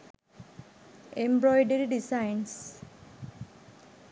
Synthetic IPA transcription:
embɾɔjɖeɾiɖisaɪns

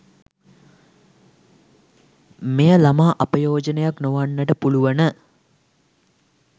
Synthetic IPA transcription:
mejəlamaːʔɐpəjoːd͡ʒənejaknoʋanːəʈəpuluʋənə

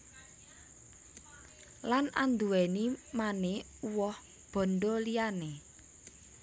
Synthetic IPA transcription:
lana̰nd̪uwɛnimane | uwɔh | b̥ɔ̤nɖolijane

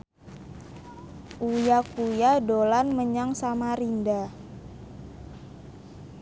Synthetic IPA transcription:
ʔujakujadolanməɲaŋsamaɾinda

